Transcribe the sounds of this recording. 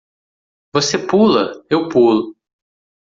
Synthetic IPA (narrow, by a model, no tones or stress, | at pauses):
vosepulɐewpulʊ